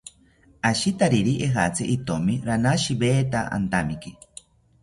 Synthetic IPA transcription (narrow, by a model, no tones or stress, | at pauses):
aʃit̪aɾiɾiʔeɦat͡sʰeʔit̪omiɾanaʃibeːt̪aʔa̰nt̪amiki